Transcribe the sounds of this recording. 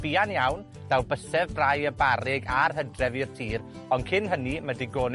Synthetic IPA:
b̥iːanjawn | d̥awbəsɛvrajəbaɾɪɡarɦədrɛvirtʰiːr | ɔnkʰɪnɦənimədiɡoːn

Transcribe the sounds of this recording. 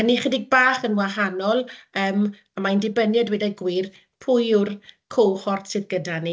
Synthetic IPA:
niχədɪɡ̚baːχənwaɦanɔlˠəːm | amaindɪbənjɔdwɛdaɡwiːr | pʰʊːjʊrkʰowχɔrtsɨðɡədani

